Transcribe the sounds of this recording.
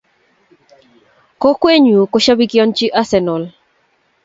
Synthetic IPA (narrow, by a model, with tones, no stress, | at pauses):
kɔ˦kwe˦ɲu˨kɔ˦ʃa˦bi˦kɪɔ˦nt͡ʃɪ˦ʔa˦sɛ˨nɔ˨l